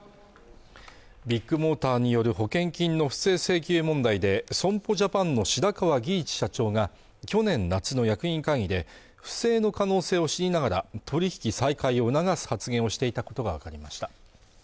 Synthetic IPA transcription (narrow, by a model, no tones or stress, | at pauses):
bʲikːɯ̟mo̞ːt̪aːɲ̟ijo̞ɾɯ̟ɦo̞kẽ̞ŋkʲĩnːo̞ɸɯ̥se̞ːse̞ːkʲɨːmõ̞nd̪aid̪e̞sõ̞mpo̞ʑapãnːo̞ɕid̪akaβaɡʲiːt͡ɕi̥ɕat͡ɕo̞ːŋa | kʲo̞nẽ̞nːat͡sɨno̞jakɯ̟ɲĩŋkãŋʲid̪e̞ | ɸɯ̟̥se̞ːno̞kano̞ːse̞ːo̞ɕiɲʲinaɡaɾa̰t̪ʰo̞ɾʲiçi̥kʲisaikaio̞ɯnaɡasɨ̥hat͡sɨɡẽ̞ɰ̃o̞ɕi̥t̪e̞it̪ako̞t̪o̞ɡaβakaɾʲimaɕi̥t̪ḁ